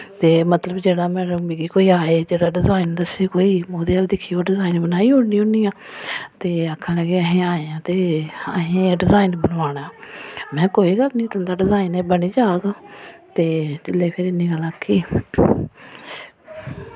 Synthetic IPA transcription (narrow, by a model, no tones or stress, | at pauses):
t̪eːmət̪ləbd͡ʒeːɽaːmɛ̃ːɾəiːɡiːkoːiːaːeːd͡ʒeːɽaːɖɪzaːɪnd̪əseːkoːiːoːd̪eːaːld̪ɪkʰːiːoːɖɪzaːɪnbənaːiːɦoːniːõniːãːt̪eːəkʰːãːləɡeːəɦẽːaːeãːt̪eːəɦẽːɖɪzaːɪnbənʋaːɳaːmɛ̃ːkoːiːɡəlnĩːt̪ənd̪aːɖɪzaːɪneːbəniːd͡ʒaːɡt̪eːt͡ʃɪlːeːpʰɪɾɪnːiːɡəlaːkʰːiː